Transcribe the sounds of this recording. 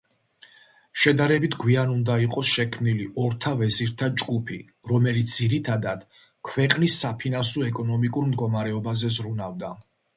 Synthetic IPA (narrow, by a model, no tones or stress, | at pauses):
ʃɛd̪aɾɛbit̪ʰɡwianund̪aiqʼɔsʃɛkʰmniliʔɔɾt̪ʰavɛziɾt̪ʰad͡ʒɡupʰi | ɾɔmɛlit̪sd̪̥iɾit̪ʰad̪ad̪̥ | kʰwɛqʼnisːapʰinansɔɛkʼɔnɔmikʼuɾmd̪ɡɔmaɾɛɔbazɛzɾunavd̪a